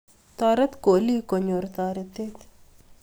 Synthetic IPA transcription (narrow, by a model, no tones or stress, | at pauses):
t̪aːɾɐt̪koːlikoɲoɾt̪aːɾet̪et̪